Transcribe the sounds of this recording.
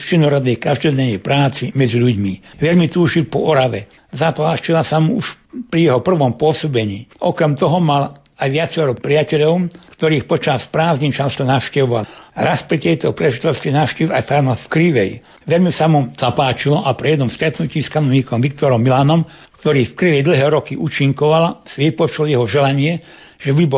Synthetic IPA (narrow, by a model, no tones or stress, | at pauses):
ft͡ʃinɔɾɔd̪nɛkaʒd̪ɔdɛɲɛjpɾaːt͡simɛd͡ziʎuɟmiʋɛʎmit̪uːʒilpɔʔɔɾaʋɛ | zapaːt͡ʃilasamuuʃ | pɾijɛɦɔpr̩ʋɔmpʊɔsɔbɛɲiːʔɔkɾɛmt̪ɔɦɔmal | ajʋɪat͡sɛɾɔpɾiacɛʎɔʊkt̪ɔɾiːxpɔt͡ʃaspɾaːzɲit͡ʃast̪ɔnaʊʃcɛʋɔʋalɾaspɾit̪ɛjt̪ɔpɾɛʒit̪ɛlskinaʊʃciʋa̰jfaɾnafkɾiʋɛ̰j | ʋɛʎmisamuz̥apaːt͡ʃilɔʔapɾijɛd̪nɔmst̪ɾɛt̪nuciːskanɔʋɲiːkɔmʋik̚t̪ɔɾɔmːilanɔmkt̪ɔɾiːfkɾiʋɛjd̪l̩ɦɛːɾɔkiʔuːt͡ʃiŋkɔʋalsiʋipɔt͡ʃuljɛɦɔʒɛlaɲɪɛ | ʒ̥ɛbibɔ